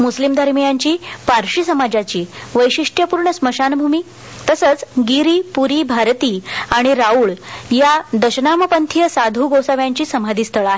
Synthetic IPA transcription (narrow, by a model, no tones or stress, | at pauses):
muslimd̪ʱəɾmjaɲt͡ɕiːpaɾɕisəmad͡ʑat͡ɕiːʋəjɕiʂʈʰjəpuɾɳəsməɕanbʱumiː | t̪əsət͡sɡiɾiːpuɾiːbʱaɾt̪iːaɽ̃iɾauɭjad̪əɕənaməpənt̪ʰjəsad̪ʱuɡosaʋjaɲt͡ɕiːsəmad̪ʱiːst̪ʰəɭaɦe